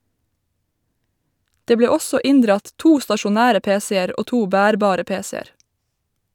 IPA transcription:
ˈdeː ˈbleː ˈɔsɔ ˈɪnˌdɾɑt ˈtuː stɑʃʊˈnæːɾə ˈpeːˌseːəɾ ˈoː ˈtuː ˈbæːɾˌbɑːɾə ˈpeːsɛəɾ

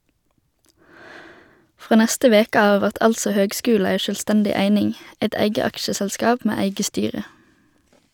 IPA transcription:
ˈfʁoː ˈnæstə ˈʋeːkə ˈɑː ˈʋæʁt ˈɑlsɔ ˈhøːɡˌskʉːl̩ ˈæɪ ʃœlˈstɛndɪ ˈæɪnɪŋ ˈɛt ˈæɪɡə ˈɑkʃəsɛlˌskɑːp ˈmeː ˈæɪɡə ˈstyːʁə

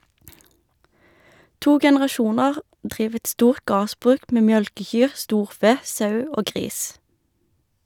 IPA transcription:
ˈtuː ɡɛnəʁɑˈʃuːnɑʁ ˈdʁiːʋ ˈɛt ˈstuːʁt ˈɡɑːʁsˌbʁʉːk ˈmeː ˈmjœlkəˌçyːʁ ˈstuːʁˌfeː ˈsɑʉ ˈoː ˈɡʁiːs

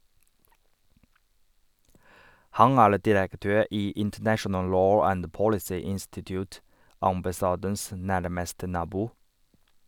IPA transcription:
ˈhɑŋ ˈæːɭ dɪɾəkˈtøːɾ ˈiː ɪntəˈnæʃənəl ˈloː ˈænd ˈpɔɽɪsiː ˈɪnstɪtjʊːt ɑmbɑˈsɑːdəns ˈnæɾməstə ˈnɑːbuː

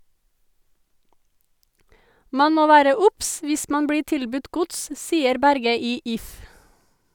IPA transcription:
ˈmɑn ˈmoː ˈʋæːɾə ˈʊps ˈʋɪs ˈmɑn ˈbɽiː ˈtɪlbʉt ˈɡʊts ˈsiːəɾ ˈbæɾɡə ˈiː ˈɪf

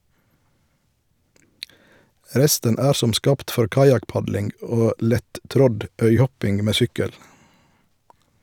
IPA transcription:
ˈɾɛstən ˈæːɾ ˈsɔm ˈskɑːpt ˈfɔɾ ˈkɑjɑkˌpɑdlɪŋɡ ˈoː ˈlɛtˌtɾɔd ˈœʏˌhɔpɪŋ ˈmeː ˈsʏkəl

